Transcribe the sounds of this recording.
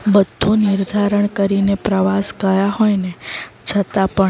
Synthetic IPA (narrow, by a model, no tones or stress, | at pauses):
bəd̪ʱːunɪɾd̪ʱaɾəɳkəɾinepɾəʋasɡəjaɦojnet͡ʃʰət̪apə